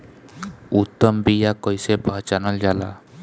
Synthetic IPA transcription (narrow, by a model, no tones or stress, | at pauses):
ut̪ːɔmbijakɔjsepat͡ʃanɔld͡ʒala̰